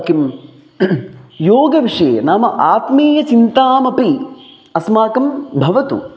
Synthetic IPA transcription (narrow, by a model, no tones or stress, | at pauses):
kim | joːɡɐʋiʂɐjnaːmɐʔaːt̪meːjɐt͡ʃint̪aːmɐpi | ɐsmaːkɐmbʱɐʋɐt̪ṵ